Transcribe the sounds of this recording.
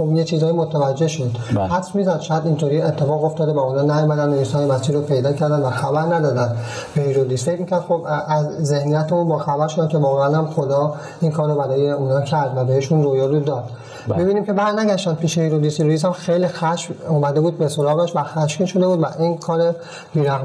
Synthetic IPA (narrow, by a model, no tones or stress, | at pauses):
xobjet͡ʃʰiːzːjimot̪ʰævæd͡ʒːe̞ʃod̪hæt̪ʰfmiːzæd̪ʃɒːjæd̪int̪ʰoɾiːet̪ʰːefɒːɣo̞ft̪ɒːd̪ebɒunɒːnæjomæd̪ænojisɒːjemæsiːɾopʰe̞jd̪ɒːcʰæɾd̪ænvæxæbæɾnæd̪ɒːd̪ænd̪ | behiɾod̪iːsfecʰmiːcʰæɾd̪̥xobæzːe̞hnijæt̪ʰeunbɒːxæbæɾʃod̪æmkʲʰe̞vɒːɣeænhæmxod̪ɒː | inkʰɒːɾobæɾɒːjeuːnɒːcʰæɾd̪væbeheʃunrojɒɾud̪ɒːd̪̥ | bebiːniːmcʰe̞bæɾnæɟæʃd̪ænd̪̚pʰiːʃehiɾod̪iːsiɾujis̬æmxejlixæʃfomæd̪ebuːd̪̚besolɒːɣɒʃt̪væxæʃkiʃo̞d̪e̞buːd̪væʔinkʰɒːɾe | biːɾæɣ